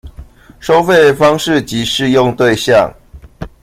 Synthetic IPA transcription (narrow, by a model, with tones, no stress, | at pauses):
ʂo˦ʊfe˥˨ɪfɑ˦ŋʂɻ̩˥˨t͡ɕi˨˦ʂɻ̩˥˧jɔ˥˨ŋt̪we˥˧ɪɕjɑ̰˥˨ŋ